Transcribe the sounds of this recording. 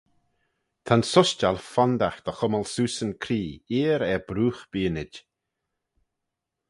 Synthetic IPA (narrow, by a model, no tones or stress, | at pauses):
t̪ʰansʊʃt͡ʃalfɔnd̪axd̪̥əxʊməlsuːsənkʰɾiːiːɾɛbɾuːxb̥iːnɪd͡ʒ